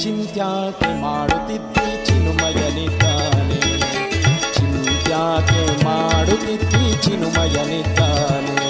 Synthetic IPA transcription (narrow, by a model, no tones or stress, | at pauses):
t͡ʃint̪jaːk̪umaːɽut̪it̪ːit͡ʃinumɐjɐnit̪ːaːni | t͡ʃint̪jaːt̪umaːɽut̪it̪ːit͡ʃinumɐjɐnit̪ːaːnu